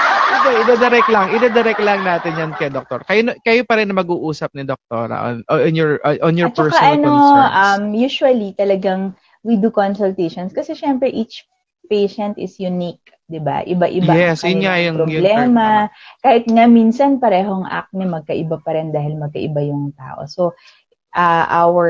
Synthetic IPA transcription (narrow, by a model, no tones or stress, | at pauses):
ɪɡaʔɪd̪ɐd̪ɛɾɛklɐŋʔɪd̪ɐd̪ɛɾɛklɐŋnaːt̪ɪnjankɐjd̪ok̚t̪oɾkɐjonkɐjopɐɾɪnɐmɐɡuːʔuːsɐp̚nɪd̪ok̚t̪o̰ɾɐ̰ʔo̰nnjɔɹʔɔnjɔt͡ʃt͡ʃkɐʔɐnoʔɐmjuʃwɐlit̪ɐlɐɡaŋ | wid̪ukonsʊlt̪ejʃonskɐsɛʃɛmpɾɛʔit͡ʃ | pejʃɐnt̪ɪsjʊnik̚ | d̪ɪba̰ʔɪ̰baʔɪ̰jaɛsjʊnŋajɐŋpɾoblɛːmɐkaːhɪt̪̚ŋaminsɐnpɐɾɛːɦoɐŋʔa̰k̪̚nɐmɐɡ̚kɐʔɪbapɐɾɛnd̪aːhɪlmɐɡ̚kɐʔɪbajʊŋt̪a̰ːʔo̰so | ʔɐʔawɛɹ